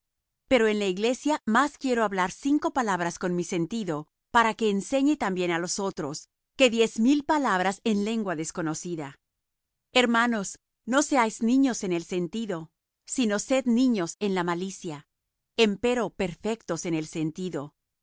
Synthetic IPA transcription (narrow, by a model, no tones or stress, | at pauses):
pe̞ɾo̞e̞nlaiɣle̞sjamaskje̞ɾoaβlaɾsiŋko̞palaβ̞ɾasko̞nmise̞nt̪iðo̞ | paɾake̞ːnse̞ɲe̞t̪ambje̞nalo̞so̞t̪ɾo̞s | ke̞ðje̞zmilpalaβɾase̞nle̞ŋɡwaðe̞sko̞no̞siða | e̞ɾmano̞s | no̞se̞ajznĩɲo̞se̞ne̞lse̞nt̪iðo̞ | sino̞se̞d̪nĩɲo̞se̞nlamalisja | empe̞ɾo̞pe̞ɾfe̞k̚t̪o̞se̞ne̞lse̞nt̪iðo̞